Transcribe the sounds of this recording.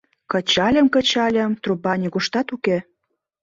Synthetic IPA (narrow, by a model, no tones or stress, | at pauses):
kə̆t͡ɕɑlʲə̆mkə̆t͡ɕɑlʲə̆mt̪rubɑnʲiɡuʃt̪ɑt̪uke